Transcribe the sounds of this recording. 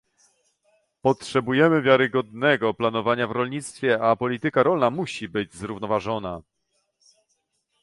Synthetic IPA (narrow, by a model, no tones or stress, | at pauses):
pɔtʂɛbujɛmɘvʲjaɾɘɡɔd̪nɛɡɔplanɔvaɲavɾɔlɲit̪st̪fʲjɛapɔlʲit̪ɘkaɾɔlnamuɕibɘd͡ʑzɾuvnɔvaʐɔna